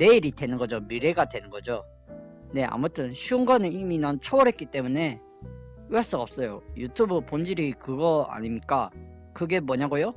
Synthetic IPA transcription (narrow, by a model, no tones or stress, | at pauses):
ne̞iɾidwe̞nɯnɡʌd͡ʑomiɾe̞ɡadwe̞nɯnɡʌd͡ʑo | ne̞a̰mutʰɯnɕʰiŋɡʌnɯiminʌnt͡ɕʰoʌɾɦet̚k͈it͈e̞mune̞ | aɭs͈ɯɡaʌp̚s͈ʌjojutʰubupond͡ʑiɾikɯɡʌa̰ɲimɲik͈a | kɯɡe̞mwʌɲaɡojo